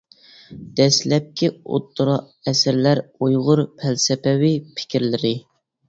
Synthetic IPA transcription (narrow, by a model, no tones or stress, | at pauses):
d̪̥ɛslɛp̚kʲʰio̰t̪ːʊɾɑʔɛsɪɾlæɾujʁʊɾpʰælsɪpɛwipʰɪ̥kʲʰɪɾlɪɾɪ